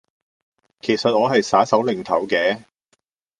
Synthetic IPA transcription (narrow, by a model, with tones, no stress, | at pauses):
kʰe˨˩jsɐ˨t̚ɔː˨˧ɦɐ˨jsaː˨˥sɐ˨˥wlɪ˨˩ŋt̪ʰɐ˨˩wkɛː˨˥